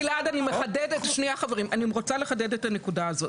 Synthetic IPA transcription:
leadanimeχadedetaʃniaχaveʁimanimʁo̞t͡sale̞χade̞detane̞kudaːzo̞t

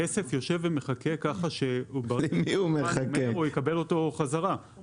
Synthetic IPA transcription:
esefjo̞ʃe̞vemeχakekaχaʃeubamiumeχakmeojekabe̞lo̞to̞χazaʁa

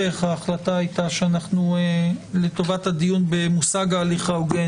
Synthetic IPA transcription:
eχhaːχlataajtaʃeanaχnuele̞to̞vathadijunbe̞musaɡaːliχaoɡe

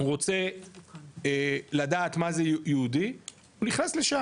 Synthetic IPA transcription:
ʁo̞t͡se̞ | lad̪aːt̪maze̞jjeud̪i | uniχnasle̞ʃa

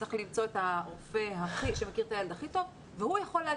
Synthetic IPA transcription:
eχlimt͡so̞et̪aʁofe̞ɦaχiʃemakiʁtajald̪aχit̪ov | vehujaχo̞lːa

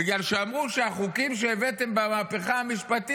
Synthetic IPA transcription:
iɡlalʃeamʁuʃeaχukimʃeːvet̪embamaːpe̞χahamiʃpat̪i

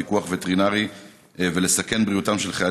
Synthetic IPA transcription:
ikuaχvet̪ʁinaʁi | ve̞le̞sake̞nbʁiutamʃelχea

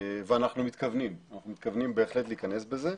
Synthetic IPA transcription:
veanaχnumit̪kavnimanaχnumit̪kavnimbe̞ːχle̞t̪leikane̞sbe̞ze̞

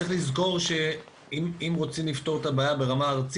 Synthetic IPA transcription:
eχlizko̞ʁʃe̞ | imimʁo̞t͡simlift̪o̞ʁet̪abaːjabe̞ʁamaːʁt͡s

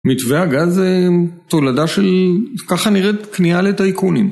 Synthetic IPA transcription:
mitveaɡazet̪oladaʃe̞lkaχaniʁetknialetaikunim

